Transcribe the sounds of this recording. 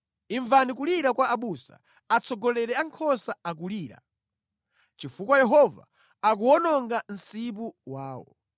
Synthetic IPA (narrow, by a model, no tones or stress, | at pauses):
iɱvanikuliɾakwaaɓusa̰ | at͡sʰɔɡɔlɛɾɛaŋkʰɔsaak̬uliːɾa̰ | t͡ʃifukwajɛɦɔva̰ | ak̬uɔnɔŋɡan̩sip̬uwaːwɔ̰